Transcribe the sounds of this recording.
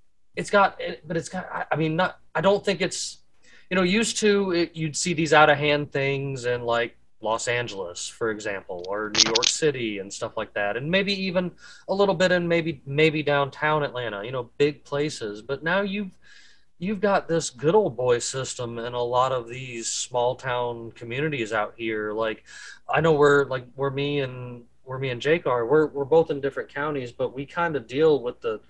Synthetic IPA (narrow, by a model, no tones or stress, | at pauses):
ɨtsɡ̥ɑɾɪb̥ʌɾɨtsɡ̥ɑaɪʔaɪmĩnːəɾaɪdõʊ̃nθɪ̃ŋkɨts | jɨnoʊjʉstʰʉɪjɨd̥siðizaʊɾɨ̥ɦæ̃nθɪ̃ŋzɪ̃nlaɪk̚ | lɔsæ̃nd͡ʒl̩ˠə̰sfə˞ɨɡzæ̃mpl̩ˠə˞nʉjɔɹksɪɾiɨ̃nstʌflaɪk̚ðæɾɨ̃nmeɪbiivɨ̃nəlɪɾl̩ˠbɪɾɨ̃nmeɪbimeɪbidãʊ̃ntʰãʊ̃nɨʔˡlæ̃ɾ̃əjɨñoʊbɪɡ̚pʰl̥eɪsɪzbʌtⁿnaʊjʉv̥ | jʉvɡɑt̪̚ðɪsɡ̥ʊɾoʊlˠd̚bɔɪsɪstə̃mɨ̃nəlɔɾʌvðiz̥smɔlˠtʰãʊ̃nkʰmjʉñɨɾizaʊt̚hiɹlaɪkʔaɪnoʊwɪɹlaɪk̚wɪɹmiɨ̃n | wəɹmiɨ̃nd͡ʒeɪkɑɹwɪɹwəɹboʊθɨ̃ndɪfɹɨ̃nkʰãʊ̃ɾ̃izbʌt̚wikʰãɪ̃ndɨdilˠwəðə